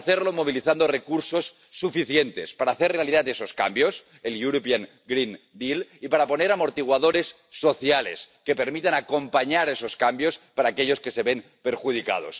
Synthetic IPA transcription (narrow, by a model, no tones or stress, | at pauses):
θeɾlomo̞β̞iliθand̪ore̞kuɾso̞sː | ufiθjent̪e̞spaɾaːθerealiðat̪eso̞ska̰mbjo̞s | eluɾopjaŋ | ɡɾin | d̪ilipaɾapo̞neɾamo̞ɾt̪iɣwaðo̞ɾe̞sː | o̞θjalḛske̞pe̞ɾmit̪anako̞mpaɲaɾeso̞skambjo̞spaɾaːke̞ʎo̞ske̞se̞βe̞m | pe̞ɾxuð̞ika̰ð̞o̞̰s